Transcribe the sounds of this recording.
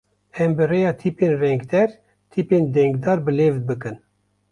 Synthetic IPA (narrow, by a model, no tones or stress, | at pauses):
ɛmbərejɑːt̪ʰipenrɛŋɡd̪ɛɾ | t̪ʰipend̪ɛŋɡd̪ɑːɾbəleːvd̪̚bɨkɨn